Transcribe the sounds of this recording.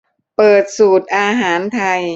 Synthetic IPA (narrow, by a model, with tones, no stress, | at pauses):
pɤː˨˩t̪̚suː˨˩t̪̚ʔaː˧ɦaː˩˦nt̪ʰa˧j